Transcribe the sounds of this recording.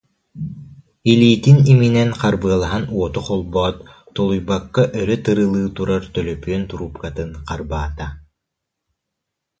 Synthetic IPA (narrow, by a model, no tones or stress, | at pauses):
iliːt̪iniminɛnqaɾbɯɐlˠaɦanuɔt̪uqɔlˠbɔːt̪ː | ɔlˠujbakːaʔœɾœt̪ɯɾɯlˠɯːt̪uɾaɾt̪œlœpyœnt̪uɾupkat̪ɯnqaɾbaːt̪a